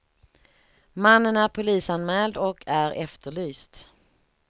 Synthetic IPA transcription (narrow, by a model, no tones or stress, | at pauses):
manːənæɾpʰʊliːsanmɛːld̪ɔkʰæɾʔɛft̪əɭyːst̪